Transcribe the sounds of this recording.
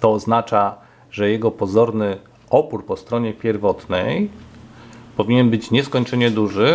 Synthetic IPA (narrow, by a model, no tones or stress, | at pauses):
t̪ɔːznat͡ʂa | ʐɛjɛɡɔpɔzɔɾnɘ | ɔpuɾpɔst̪ɾɔɲɛpʲjɛɾvɔt̪nɛj | pɔvʲiɲɛnbɘt͡ɕɲɛskɔɲt͡ʂɛɲɛd̪uʐɘ